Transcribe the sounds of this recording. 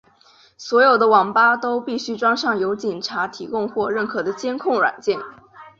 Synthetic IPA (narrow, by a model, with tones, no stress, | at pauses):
swɔ˧˥jo˨˩ʊd̪ə˦wɑ˨˩ŋpa˥t̪o˥ʊpi˥˩ɕy˥ʈ͡ʂwɑ˥ŋʂɑ˥˩ŋjo˧˥ʊt͡ɕi˨˩nʈ͡ʂʰa˧˥t̪ʰi˧˥kʊ˥˧ŋxwɔ˥˧ɻə˥˩nkʰɤ˨˩d̪ə˦t͡ɕjɛ˥nkʰʊ˥˩ŋɻwa̰˨˩nt͡ɕjɛ˥˩n